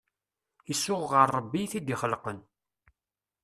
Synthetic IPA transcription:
əsːʊʁʁəɾˤːəbːiθid̪iχəlqən

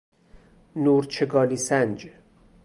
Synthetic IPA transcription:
nuːɾt͡ʃʰeɡɒːliːsænd͡ʒ

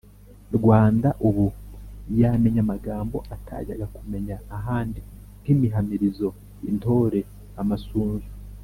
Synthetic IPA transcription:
ɾɡwaːndaʔuβujame̞ɲamaɡaːmbo̞ʔatʰa̰ɟa̰ɡakume̞ɲaːɦaːndi | n̥kimiɦamiɾizo̞ | into̞ːɾe̞ | amasuːnzu

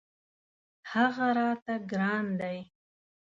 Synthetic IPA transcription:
haɣaɾɑt̪aɡɾɑnd̪aj

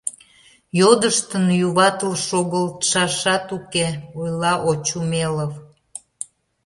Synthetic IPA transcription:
jod̪əʃt̪ənjuβɑt̪əlʃoɣəlt̪ʃɑʃɑt̪ukeojlɑʔot͡ɕumeləβ

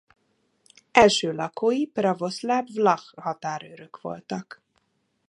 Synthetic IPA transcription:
ɛlʃøːlɒkoːjiprɒvo̞slabvlɒxhɒt̪aːɾø̰ɾøkʋo̞̰lt̪ɒk

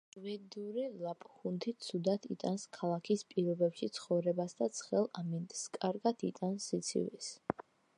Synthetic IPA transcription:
vɛd̪uɾilapʼχunt̪ʰisʰud̪at̪ʰḭt̪ʼanskʰalˠakʰispʼiɾɔbɛpʃit̪sʰχɔvɾɛbasd̪at̪sʰχɛlˠamint̪ʼskʼaɾɡat̪ʰit̪ʼansit̪sʰḭvḭs

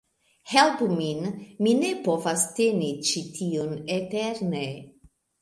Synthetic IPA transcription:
helpuminminepovast̪enit͡ʃit̪ʰiuneteɾne

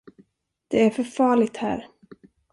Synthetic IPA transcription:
d̪̥ɛæɾfœɾfɑːɭɪɡ̚t̪hæ̰ːɾ

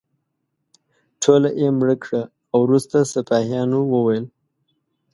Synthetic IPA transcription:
ʈʰolaʔemɽəkɽaː | wɾust̪asapɑhjɑnowəwajəl

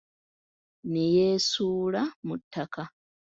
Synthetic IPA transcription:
nejeːsuːlamutːaka

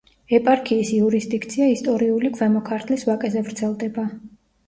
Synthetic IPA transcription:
ɛpʼaɾkʰiːsiuɾisd̪ikʰt̪sʰiaist̪ʼɔɾiulikʰvɛmɔkʰaɾt̪ʰlisvakʼɛzɛvɾt̪sʰɛlˠd̪ɛba

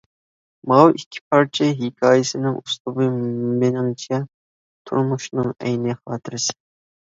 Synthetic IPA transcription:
mɑwikʲʰːɪ̥pʰɑɾt͡ʃʰɪɦikʲʰɑːjɪsɪnɪŋuslˠʊbɨmɪnɪŋt͡ʃʰɛ | t̪ʰṵɾmuʃnɨŋɛ̰jnɪχɑːt̪ʰɨɾɨsɨ̥

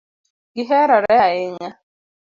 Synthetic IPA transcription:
ɡɪɦɛɾɔɾɛɪɲa

